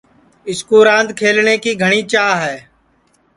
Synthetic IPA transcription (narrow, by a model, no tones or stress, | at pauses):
ɪskuːɾãːnd̪kʰeːlɳeːkiːɡʱəɳ̃iːt͡ʃaːɦɛː